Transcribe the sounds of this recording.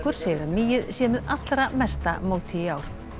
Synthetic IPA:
kʏɾ̥seːjɾamiːjɪðsjɛmɪðat̪lɾamɛst̪a̰moːwt̪ʰɪaːwɾ̥

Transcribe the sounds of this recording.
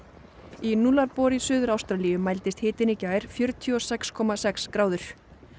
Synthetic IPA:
inulaɾpɔːɾisʏːðʏɾawst̪ɾaliːjʏmajlt̪ɪst̪hɪːt̪ɪnicaːjɾ̥fjœɾt̪ʰiɔsɛkskʰɔmasɛkskɾaːwðʏɾ̥

